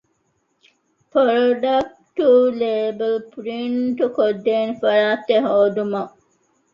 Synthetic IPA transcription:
poɾoɖɐk̚ | ʈuleːbɐlpɾiɳʈukod̪ːeːnfɐɾaːt̪ːeɦoːd̪umɐ

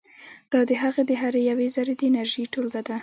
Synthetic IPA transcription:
d̪̥ɑd̪əɦaɣed̪əɦaɾejawezaɾed̪əɪnaɾʒiʈolɡad̪a

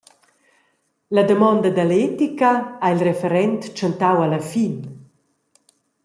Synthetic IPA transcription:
lad̪əmɔnd̪ad̪alɛt̪ikaailrefɛɾɛnt̪t͡ʃant̪awalafin

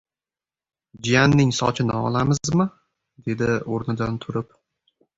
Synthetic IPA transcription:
d͡ʒijanːɪŋsɒ̰t͡ʃʰɪnɪɒ̰lˠamɪzmɪ | d̪e̞d̪ɪoɾnɪd̪ant̪ʰʊɾɪp

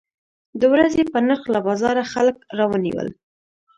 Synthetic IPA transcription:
d̪əwɾazepənəxlabɑzɑɾaxalkɾɑwənḭwə̰l

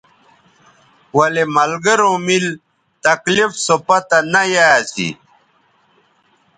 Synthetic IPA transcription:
wɐlemɐlɡəɾõːmil | t̪ɐklifsopat̪anajajasḭ

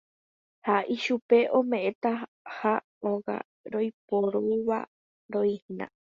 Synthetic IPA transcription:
haʔiʃupe̞ʔõmẽ̞ʔẽt̪a | ha | oɡa̰ | ɾojpoɾuʋa̰ | ɾoĩhnã̰

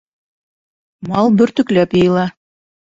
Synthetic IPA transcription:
mɑlˠbɵ̆ɾt̪ɵ̆klæpjɤ̆jɤ̆lˠɑ

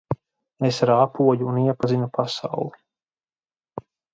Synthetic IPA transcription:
esɾaːpuɔjuːniɛpazinupʰasa̰wlˠi

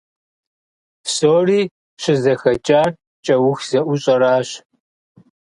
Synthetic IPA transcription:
soːriː | ɕɪzɐxɐt͡ʃʼaːr | t͡ʃʼɐwʊxz̥ɐʔʷʊɕʼɐɾaːɕ

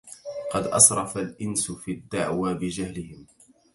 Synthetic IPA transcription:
qɑd̪ʔɑ̰sɾˤɑfalʔɪnsʊfiːad̪ːaʕwaːbɪd͡ʒahlɪhɪm

